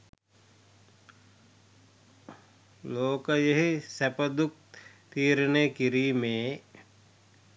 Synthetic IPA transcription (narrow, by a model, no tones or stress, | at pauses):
loːkəjeɦisæpəd̪uk̚t̪iːɾənejkiɾiːmeː